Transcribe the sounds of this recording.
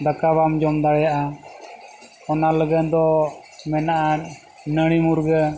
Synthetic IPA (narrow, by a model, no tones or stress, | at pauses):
d̪akaβamd͡ʒɔmd̪aɽɛjaʔa | ɔnaləɡənd̪ɔ | mɛnaʔa | nəɽ̃imuɾɡə